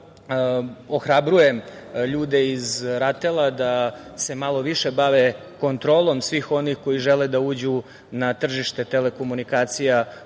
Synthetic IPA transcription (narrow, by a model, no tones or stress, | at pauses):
oxɾabɾuje̞m | ʎuːd̪e̞izɾat̪elˠad̪ase̞malˠo̞ʋiʃe̞baʋe̞ | ko̞nt̪ɾoːlˠo̞msʋixo̞nixko̞jiʒeled̪auːd͡ʑu | nat̪r̩ʒiʃt̪e̞t̪e̞le̞ko̞munikaːt̪sija